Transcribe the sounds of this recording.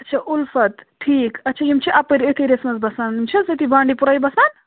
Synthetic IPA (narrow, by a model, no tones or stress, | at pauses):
ɐtːt͡ʃʰɐʔulfɐt̪ʈʰiːkɐtːt͡ʃʰɐjimt͡ʃʰiʔapeɾet̪ʰiɾesmɐsbɐsaːnimt͡ʃʰizet̪ʰibãːɳɖipuɾaːjbɐsaːn